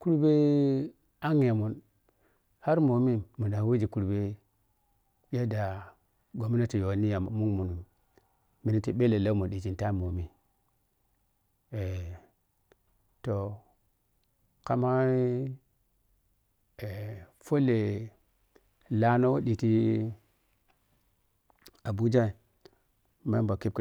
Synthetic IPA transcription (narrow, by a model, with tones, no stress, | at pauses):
ku˦ɾu˦be˦ | a˦ŋ˦˨a˨mu˨n | ha˦ɾmo˨mi˦mu˨da˨˦we˦d͡ʒi˨ku˨ɾbe˦ | ja˦da˨ | ɡo˨mi˦na˦ti˨jo˨ni˦ja˨m˨mu˦ŋmu˨n˨ | mi˨ni˦ti˨ɓe˦le˨la˦mu˨ɗi˨ti˨nta˦˨mo˨mi˨ | e˨ | to˨ | ka˦ma˦i˦ | e˨fo˦le˨ | la˦no˦wo˦ɗi˨ti˦ | a˨bu˦d͡ʒa˦i˨ | ma˦ba˨ki˦k